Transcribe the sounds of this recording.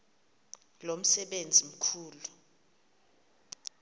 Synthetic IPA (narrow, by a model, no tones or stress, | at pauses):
lom̩sɛɓend͡zʱim̩kʰuːlu